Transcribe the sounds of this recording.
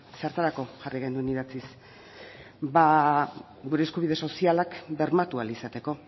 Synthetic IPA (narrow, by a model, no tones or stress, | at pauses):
seaɾt̪aɾako̞ʝariɣ̞e̞nd̪ue̞niðat͡sis | ba | ɣuɾe̞ːskuβ̞ið̞e̞so̞sialakbe̞ɾmat̪ualisat̪e̞ko̞